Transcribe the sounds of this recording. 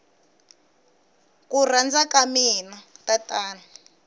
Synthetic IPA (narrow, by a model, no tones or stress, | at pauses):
kurand͡zakaminatatʼaːna